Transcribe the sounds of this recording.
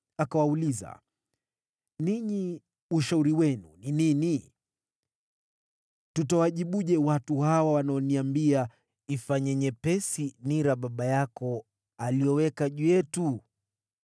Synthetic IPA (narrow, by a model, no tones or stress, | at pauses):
akawauliza̰ | niɲi | uʃauɾiwɛnṵninini | tutawaʄiɓuʄɛwatuhawawanaɔniambia | ifaɲɛɲɛpɛsiniɾaɓaɓajakɔ | alijɔwɛkaʄujɛtu